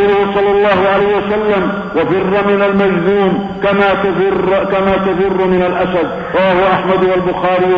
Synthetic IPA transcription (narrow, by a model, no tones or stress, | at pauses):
lʊhʊsˤɑlːɑlˤːɑːhʊʕalajhɪwasalːam | wabɪrːɑmɪnalmad͡ʒzuːm | kamaːt̪rkamaːt̪aðɪrːʊmɪnalʔasad̪ | ɾˤɑwaːhʊʔaħmad̪walbʊxaːɾi